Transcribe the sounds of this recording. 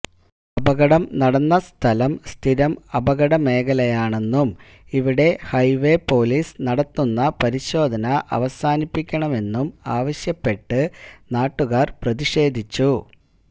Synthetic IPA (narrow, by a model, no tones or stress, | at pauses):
ɐbɐɣɐɽɐmnɐɽɐnːɐst̪ʰɐlɐmst̪ʰiɾɐmɐbɐɣɐɽɐme̞ːɣɐlɐjaːɳe̞nːum | iʋiɽe̞hɐjʋe̞poːliːsnɐɽɐt̪ːunːɐpɐɾiɕo̞ːd̪ʱɐnɐʔɐ̰ʋɐsaːnipːikʲːɐɳɐme̞nːumaːʋɐɕjɐpːe̞ʈːɨnaːʈːuɣaːrprɐðiʂe̞ːd̪ʱit͡ɕːu